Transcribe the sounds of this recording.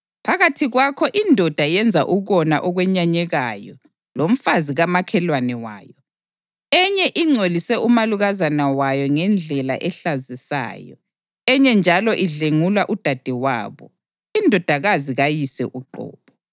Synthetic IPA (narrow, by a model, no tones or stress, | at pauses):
pʰaɣatʰiɣwakʰɔʔindʱɔd̥ʱajɛnd͡zʱa̰ʔuɣɔnaʔɔɣwɛɲaɲɛɣajɔ | lom̩faziɣamakʰɛlwanɛwa̰ːjɔ | ɛɲɛʔiŋ͡ǀʱolisɛʔumaluɣazanawajɔŋɛnd͡ɮʱɛla̰ʔɛɬazisa̰ːjɔ̰ | ɛɲɛnd͡ʒʱalɔʔiɮeŋulwaʔud̥ʱad̥ʱɛwa̰ːβɔ | indʱɔd̥ʱaɣaziɣajisɛ̰ʔuǃɔ̰ːβɔ